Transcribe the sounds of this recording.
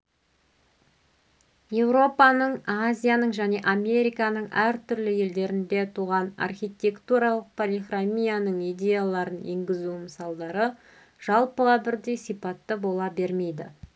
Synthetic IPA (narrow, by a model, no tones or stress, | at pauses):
je̞wɾo̞pɑnəɴazʲijanəɴʒæne̞ʔamʲe̞ɾijkɑnəɴʔæɾt̪ʰʏɾlɪje̞ld̪e̞ɾɪnd̪e̞t̪ʰuʁɑnɑ̰rχʲijt̪ʲe̞kt̪uɾɑlˠəq̚pʰolʲiχramʲijanəɴijd̪ʲe̞jalˠɑɾənje̞̰ŋɡʲɪzuməsɑlˠd̪ɑɾə | ʒ̥ɑlˠpəʁɑbɪɾd̪e̞jsijpɑt̪ːəbo̞lˠɑbe̞ɾme̞jd̪ɪ